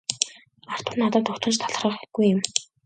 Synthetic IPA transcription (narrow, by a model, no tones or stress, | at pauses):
ar̥t̪ʊ̆rnat̪aːt̪ːʊkt̪ʰə̆nʃt̪ʰaɮ̆rə̆χɡujɪm